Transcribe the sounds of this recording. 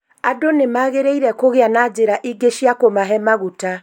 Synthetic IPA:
adonemaːɣeɾeiɾɛkoɣeanad͡ʑeɾaʔiɡeʃjakomaɦɛmaɣuta

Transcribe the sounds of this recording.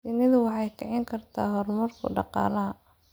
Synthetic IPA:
sɪnɪðʊwɑħɑjkʰɛʕɪŋkʰɐrt̪ʰaːɦɔrmɐrkʰʊ̰ɖɑqɑ̰ːlɐɦɐ

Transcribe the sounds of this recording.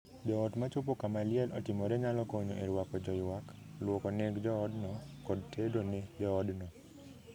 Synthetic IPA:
d͡ʒɔɔtmat͡ʃop̬okamalɪɛlʔɔtɪmɔɾɛɲalɔkoɲoʔeɾwakɔd͡ʒɔɪwaklwɔkɔneɡd͡ʒɔɔdnɔkɔd̚tʰedoned͡ʒɔːdnɔ

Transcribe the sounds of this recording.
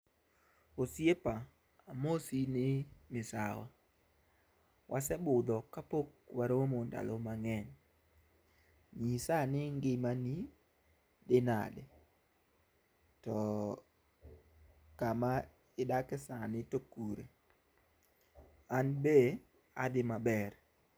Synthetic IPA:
osjepa | amosinɪmɪsa̰wa̰ | wʔasɛbʊd̪ɔkapokwaɾomonda̰lomaŋɛn | ɲisanɪŋɡɪmani | dɪna̰dɛ | tɔ | kama | ɪdakɪsanɪtokuɾḛ | anbe | adɪmabɛr

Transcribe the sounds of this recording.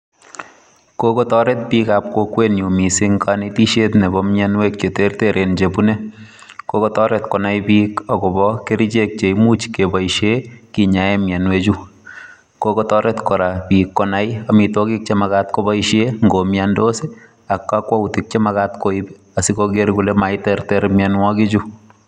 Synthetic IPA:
kokotɔɾet̚pikap̚kokwenjumisiŋkanitiʃetnebɔmjanwek̚t͡ʃeteɾteɾʔent͡ʃebune | kokotɔɾɛtkɔnajpikɔkɔbɔkeɾit͡ʃek̚t͡ʃeimut͡ʃkebɔiʃekiɲaɛmjanwet͡ʃu | kokɔtɔɾɛtkɔɾapikːɔnajamitokik̚t͡ʃemakatkobɔiʃeŋɡomjandose | akːakwautɪk̚t͡ʃemakatkoibɛ̥ | asikoɡeɾkulɛmaitɛrtɛɾmjanwɔkit͡ʃu

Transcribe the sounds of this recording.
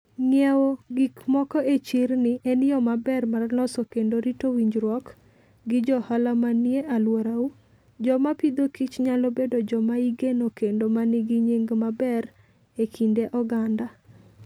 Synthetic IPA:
ŋɛwoɡikmɔkɔet͡ʃirnɪʔɛnɪjɔmabɛrmarnɔsɔkendoɾitowiɲd͡ʒɾwɔk | ɡɪd͡ʒɔhalamanjeʔalwoɾau | d͡ʒɔmapid̪okit͡ʃɲalobedod͡ʒɔmaiɡenokendomanɪɡiɲeŋɡmabɛɾ | ekʰindeʔɔɡanda

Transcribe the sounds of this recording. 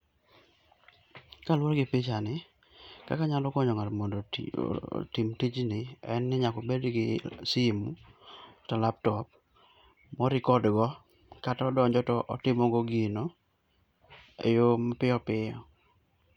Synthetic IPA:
kalwɔɾɡɪpit͡ʃanɪ | ka̰kaɲalɔkɔɲɔŋatmondo̰ | timtit͡ʃnɪɛnːɪɲakobedɡɪsimutalap̚tɔp̚ | mɔɾɪkɔdɡɔ | katɔdɔɲd͡ʒɔtɔʔɔtɪmɔɡoɡino | ḛjompɪɔpɪɔ̰

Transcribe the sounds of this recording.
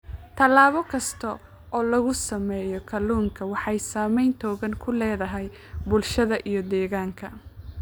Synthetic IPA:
t̪ʰɐlaːβɔkʰɐst̪ʰɐ | ɔːlɐɣʊsɐmɛːjɔkʰɐluːŋkʰɐwɑħɑjsaːmɛjnt̪ʰɔːɣɐŋkʰʊlɛːðɐɦɛj | bʊlʃɐðɐʔijɞd̪ɛːɣaːŋkʰɐ

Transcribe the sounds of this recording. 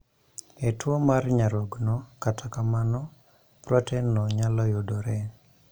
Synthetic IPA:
etwomarɲaɾoɡnɔkatʰakamanɔ | pɾɔtɛnɔɲalɔjodoɾɛ

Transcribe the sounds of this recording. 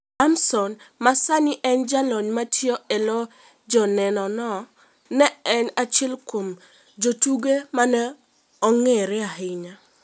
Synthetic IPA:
amsɔnmasanɪʔɛnd͡ʒalɔɲmatjɔɛlɔ | d͡ʒɔnɛnɔnɔ | nɛɛnat͡ʃɛlkom | d͡ʒotuɡemanɛ | ɔŋeɾɪaɦɪɲa

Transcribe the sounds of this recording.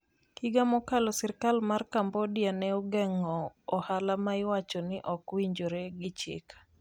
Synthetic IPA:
kiɡamɔkalɔsɛɾkalmarkambɔdjanɛoɡɛŋɔɔhalamaɪwat͡ʃɔnɪʔɔkwiɲd͡ʒoɾeɡɪt͡ʃɪ̰k

